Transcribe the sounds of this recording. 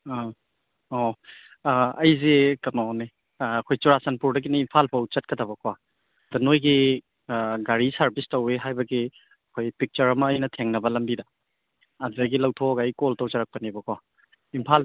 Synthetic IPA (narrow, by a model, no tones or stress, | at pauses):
ɔ | ɐjzekɐnɔneː | kʰojt͡ʃuɾasɐnpuɾdɐɡiniimpʰalpʰɐwt͡ʃɐt̚kɐtʰɐbɐkʰwa | dɐnojɡi | ɡaɾisɐɾbistɐweɦajbɐɡi | ɐkʰojpik̚t͡ʃɐɾɐmɐːjnɐtʰeŋnɐbɐlɐmbidɐː | zɐɡilɐwtʰoɡɐjkoltɐwt͡ʃɐɾak̚pɐnibɐkʰa | impʰal